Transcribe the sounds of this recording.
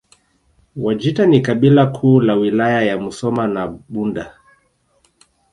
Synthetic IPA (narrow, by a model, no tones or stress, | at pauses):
wad͡ʒitanikaɓilakʰuːlawilajajamusɔmanaɓunda